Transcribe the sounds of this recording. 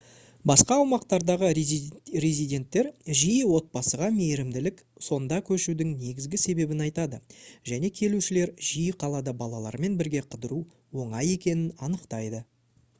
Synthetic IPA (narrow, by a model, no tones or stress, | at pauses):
bɑsqɑːwmɑqt̪ɑɾd̪ɑʁərezid̪ʲe̞nt̪ːe̞ɾʒijəwo̞t̪̚bɑsəʁɑmejɾɪmd̪ɪlɪk | so̞nd̪ɑkʲʰɵʃud̪ɪŋne̞ɡʲɪzɡʲɪse̞be̞bɪnɑjt̪ɑd̪əʒæne̞kʲʰe̞luʃɪle̞ɾʒijəqʰɑlˠɑd̪ɑbɑlˠɑlˠɑ̰ɾme̞nbɪɾɡʲe̞qʰəd̪əɾu | wo̞ɴɑje̞kʲe̞nɪnɑnəqt̪ɑjd̪ə